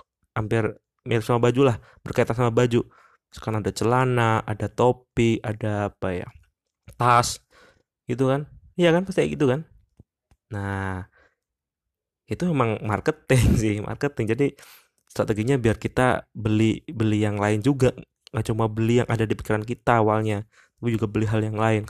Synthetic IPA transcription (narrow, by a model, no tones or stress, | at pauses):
ampɪr | meɾɪpsamabad͡ʒulah | b̥ərkaet̪ansamabad͡ʒu | sə̥kaanadat͡ʃəlanaʔadat̪opɪkadaːpaja̰ | t̪as | ɡ̥it̪̬ukanijakanpast̪ijaɡit̪ukan | na | it̪umemaŋmarkət̪ɪŋsɪhmʔa̰rkət̪ɪŋd͡ʒadi | st̪ɾat̪eɡiɲabiarkit̪a̰bəlibəlijaŋlaɪnd͡ʒuɡa | at͡ʃumabəlijaŋʔadadipi̥kiɾankit̪aːwalɲa | t̪apid͡ʒuɡabəliɦaljaŋlaɪn